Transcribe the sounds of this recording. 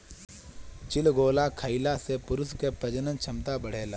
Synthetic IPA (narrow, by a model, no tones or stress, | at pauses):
t͡ʃɪlɡoːlakʰəɪlasepʊɾʊskepɾəd͡ʒənə̃nt͡ʃʰɐmt̪abəɽ̤eːlaː